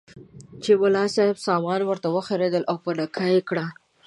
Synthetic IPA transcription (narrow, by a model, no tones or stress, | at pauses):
t͡ʃewʊlɑsɑhɪbsɑmɑnwəɾt̪awəxaɾed̪əlʔawpənakʰajekɽa